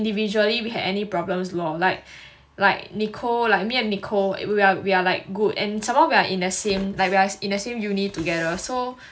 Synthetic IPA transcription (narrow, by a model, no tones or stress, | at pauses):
ndivid͡ʒuəliwiɦɛ̰vɛnipɹɔblə̃mslɔlaɪk̚ | laɪk̚nikʰolaɪk̚miɛ̃nnːikʰoiawialaɪk̚ɡudɛ̰̃nsãmhaʊwiaʔĩndəsẽmlaɪk̚wiaĩndəsẽmjunit̚tuɡɛɾəso